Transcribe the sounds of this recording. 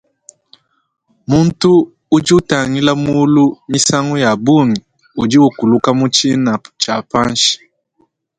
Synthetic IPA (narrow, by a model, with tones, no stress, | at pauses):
mu˦n˦tu˦ | u˦d͡ʒi˦ta˨ŋi˦la˦mu˦lu˦mi˦sa˦ŋu˦ja˨bu˦ŋi˨ | u˨d͡ʒi˦wu˨ku˨lu˦ka˦mu˦t͡ʃi˦na˨t͡ʃa˨pa˦n˦ʃi̥˨